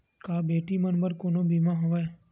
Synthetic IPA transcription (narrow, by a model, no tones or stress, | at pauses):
kaːbeːʈimənbəɾkoːnõbiːmaɦoʋaːe